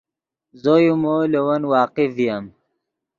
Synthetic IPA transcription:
zojumolewɐnwɑːqivijam

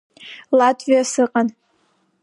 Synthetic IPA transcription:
latʼʰvijasɨqʼan

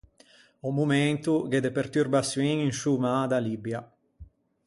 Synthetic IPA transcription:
ɔmument̪uɡed̪epert̪yrbasjiŋinʃumad̪alibja

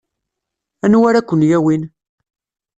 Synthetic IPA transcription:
ænwæɾækʷːənjæwin

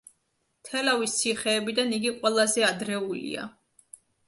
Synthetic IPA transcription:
t̪ʰɛlavist̪sʰiχɛːbid̪aniɡiqʼwɛlˠazɛad̪ɾɛulḭa̰

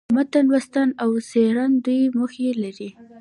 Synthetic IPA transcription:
mat̪anwast̪anawseɾand̪ujməxelaɾi

